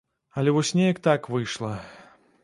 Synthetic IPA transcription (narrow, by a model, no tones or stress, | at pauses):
ɐlʲɛvɔsʲnʲɛjɐkt̪akvɨjʂlˠɐ